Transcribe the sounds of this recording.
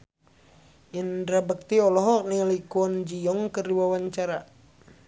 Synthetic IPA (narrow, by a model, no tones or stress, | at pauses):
ʔindɾabək̚t̪iɔlɔɦɔk̚nilikuɔnd͡ʒijɔŋkəriwawaɲt͡ʃaɾa